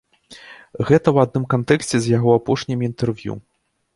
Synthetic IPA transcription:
ɣɛt̪ɐwad̪̚nɨmkant̪ɛksʲt͡sʲɛzʲjaɣɔapɔʂnʲimint̪ɛrvjṵ

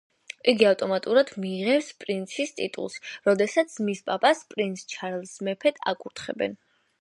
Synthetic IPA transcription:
iɡiaft̪ʼɔmat̪ʼuɾad̪miːʁɛpspʼɾint̪sʰist̪ʼit̪ʼṵlˠsɾɔd̪ɛsat̪sʰmispʼapʼaspʼɾinsʰt͡ʃʰaɾɛlˠsmɛpʰɛt̪ʰʼa̰kʼuɾt̪ʰχɛ̰bɛ̰n

